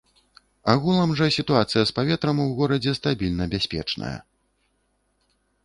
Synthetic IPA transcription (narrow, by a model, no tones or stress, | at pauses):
aɣulˠɐmʐɐsʲit̪uat̪sɨjɐspavʲɛt̪ɾɐmwɣɔɾɐd͡zʲɛst̪abʲilʲnɐbʲasʲpʲɛ̰t͡ʂnɐ̰jɐ̰